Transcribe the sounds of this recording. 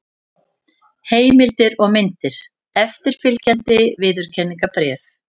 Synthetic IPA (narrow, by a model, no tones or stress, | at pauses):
heːjmɪlt̪ɪɾɔɣmɪnt̪ɪɾ̥ | ɛft̪ɪɾ̥fɪlcant̪ɪvɪːðʏɾ̥cʰɛnːiŋkapɾɛːf